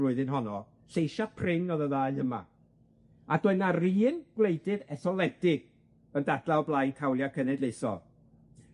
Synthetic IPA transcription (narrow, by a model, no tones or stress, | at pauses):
lʊɨðɨnɦɔnɔ | ɬejʃapʰrɪnɔðəðaːjəma̰ | adɔɨnariːnɡ̥wlejdɨðɛθɔlˠɛdɪɡ̥ | əndad̥laɔblˠajnkʰawlˠjakʰənɛdlejsɔ̰